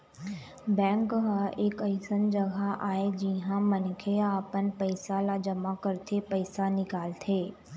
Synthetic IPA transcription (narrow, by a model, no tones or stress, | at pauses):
bɛ̃ːŋkɦəɪkɐjsənd͡ʒɐɡʱaʔaːed͡ʑiɦãmɐnkʰeaːpən̆pɐɪsalad͡ʒɐmakɐɾɪt̪ʰepɐɪsanɪkaːlt̪ʰeː